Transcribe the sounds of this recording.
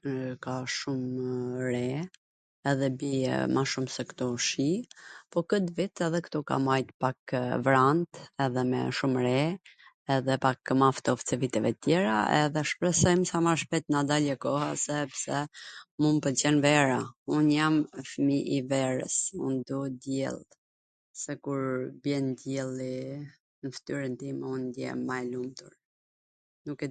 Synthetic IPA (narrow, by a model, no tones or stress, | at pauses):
kaʃumɾɛ | ɛðɛbiɛ̰maʃumsɛkt̪ɔʃipɔkət̪vit̪ɛðɛkt̪ɔka̰majt̪pakvɾant̪ɛðɛmɛ̰ʃumɾɛ | ɛðɛpakmaft̪ɔft͡sɛvit̪ɛvɛt̪ət̪jɛɾaɛ̰ðɛʃpɾɛsɔjmsamaʃpɛt̪nad̪alɛkɔhasɛpsɛmunpət͡ɕɛnvɛɾaunjamfəmiʔivɛɾə̰sṵnd̪ud̪jɛ̰lˠ | sɛkuɾbjɛnd̪jɛlˠi | nəft̪yɾɛnt̪imund̪jɛ̰majlumt̪uɾ | nukɛ